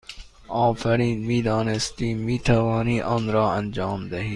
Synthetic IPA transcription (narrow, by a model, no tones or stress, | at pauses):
ɒːfæɾiːnmiːd̪ɒːnest̪iːmiːt̪ʰævɒːniːʔɔːnɾɒːænd͡ʒɑːmd̪æɦiː